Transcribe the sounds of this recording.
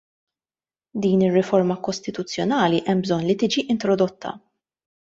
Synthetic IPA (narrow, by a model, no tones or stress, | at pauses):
d̪iːnɪrːɪfɔɾmɐkɔst̪ɪt̪ʊt͡sːjɔnɐːliʔɛmːbzɔnːlit̪ɪːd͡ʒiʔɪnt̪ɾɔd̪ɔt̪ːɐ̰